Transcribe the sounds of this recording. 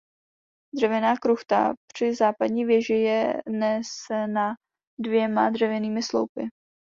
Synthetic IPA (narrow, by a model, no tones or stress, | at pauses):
drɛvɛnaːkɾuxt̪a̰pr̝̥ɪzaːpadɲiːvjɛʒɪjɛnɛsɛna | dvjɛmadrɛvjɛniːmɪslo̰wpɪ